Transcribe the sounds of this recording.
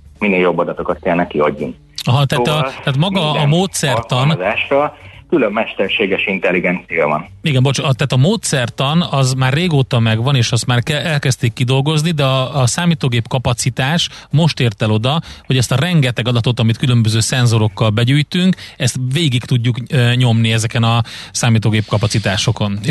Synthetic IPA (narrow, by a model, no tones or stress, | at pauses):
mineːljo̞bːɒd̪ɒt̪o̞kɒt̪̚kɛlnɛkːiɒɟːuŋk | ɒɦɒt̪at̪ːɒt̪aːt̪mɒɡɒːmoːt̪sɛrt̪ɒnzaːʃrɒkylømːɛʃt̪ɛrʃeːɡɛʃint̪ɛlːiɡɛnt̪sijɒvɒniɡɛmbort͡ʃɒt̪aːt̪ɒmoːt̪sɛrt̪ɒnɒzmaːrreːɡoːt̪ɒmɛɡʋɒneːʃɒst̪maːrkɛɛlkɛst̪ikːid̪o̞lɡo̞znid̪ɛɒːsaːmiːt̪oːɡeːpkɒpɒt̪sit̪aːʃmo̞ʃt̪eːrt̪ɛlo̞d̪ɒho̞ɟɛst̪ɒrɛŋɡɛt̪ɛɡɒd̪ɒt̪o̞t̪ɒmit̪kylø̞mbøzøːsɛnzo̞ɾo̞kːɒlbɛɟyːjt̪yŋkɛst̪ʋeːɡikt̪uɟːukːɲo̞mniɛzɛkɛnɒsaːmiːt̪oːɡeːp̚kɒpɒtsit̪aːʃo̞ko̞n